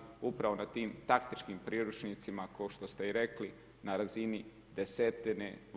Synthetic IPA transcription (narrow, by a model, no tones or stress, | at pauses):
upɾaʋo̞nat̪iːmt̪akt̪it͡ʃkimpɾiːɾut͡ʃnit̪simakaoʃt̪o̞st̪e̞iɾe̞kli | naɾazini | d̪e̞set̪ine